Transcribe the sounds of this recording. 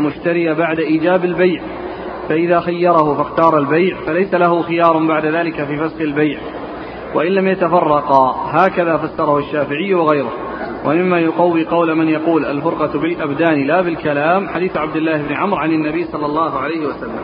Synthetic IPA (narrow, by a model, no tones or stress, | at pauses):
mʊʃt̪aɾɪjabaʕd̪aʔiːd͡ʒaːbalbajʕ | faʔɪðaːxajːɑɾˤɑhʊfaxt̪ɑːɾˤalbajʕfalajsalahʊxɪjɑːɾˤbaʕd̪aðaːlɪkafiːfasxɪlbajʕ | waʔɪnlamjat̪afɑrˤːɑqɦaːkaðaːfasːɑɾˤɑhʊʃːaːfɪʕɪjːwaɣajɾʊh | wamɪmːajʊqɑwːiqɑwlamɪnjɑquːlʔa̰lfʊɾqɑbɪlʔabd̪aːnɪlaːbɪlkalaːmħad̪iːθʕab̚d̪ɪlːaːhɪbnɪʕamɾʕanɪnːabijːsˤɑlːɑlˤːɑːɦʊʕalajhɪwasalːa̰m